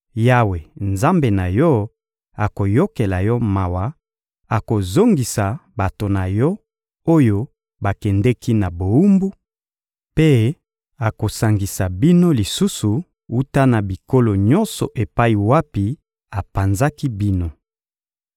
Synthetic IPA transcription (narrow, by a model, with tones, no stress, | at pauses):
ja˦we˨nza˦mbe˨na˨jɔ˦ | a˨ko˨jo˦ke˨la˨jɔ˦ma˨wa˨˦ | a˨ko˨zo˦ŋɡi˨sa˨ba˨to˨na˨jɔ˦ | o˦jo˦ | ba˨kɛ˨ndɛ˦ki˦na˨bo˨u˦mbu˦ | pe˦ | a˨ko˨sa˨ŋɡi˨sa˨bi˦no˦li˨su˦su˨ | u˦ta˦na˨bi˨ko˦lo˨ɲɔ̃˦nsɔ̰˨ʔe˨pa˦i˨wa˦pi˨ | a˨pa˨nza˦ki˦bi˦no˦